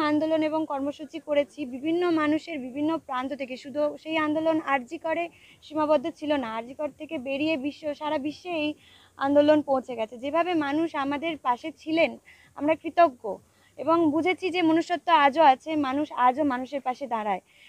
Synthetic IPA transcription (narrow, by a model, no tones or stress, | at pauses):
and̪oloneboŋkɔɾmoʃut͡ɕikoɾet͡ɕʰibibʱinːomanuʃeɾbibʱinːopɾant̪ot̪ʰekeʃud̪ʱuʃejand̪olonaɾd͡ʑikoɾeʃimabɔd̪ʱːot͡ɕʰilonaaɾd͡ʑikoɾt̪ʰekebeɾijebiʃːoʃaɾabiʃːeej | a̰nd̪olonpõwt͡ɕʰeɡɛt͡ɕʰed͡ʑebʱabemanuʃamad̪eɾpaʃet͡ɕʰilen | a̰mɾakɾit̪oɡːo | eboŋbud͡ʑʱet͡ɕʰid͡ʑemonoʃot̪ːoad͡ʑoat͡ɕʰemanuʃad͡ʑomanuʃeɾpaʃed̪aɾae